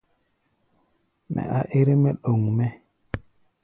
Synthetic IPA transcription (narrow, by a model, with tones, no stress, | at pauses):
mɛ̰˨a˨ʔe˦ɾe˦mɛ˦ɗo˨ŋmɛ˦